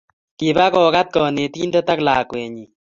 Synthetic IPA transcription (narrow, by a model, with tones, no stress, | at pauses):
ki˨ba˦kɔ˨ka˦t̪̚kɔ˨ne˨t̪i˦ndɔ˦t̪a˦klaː˨kwɛ˨ɲi˨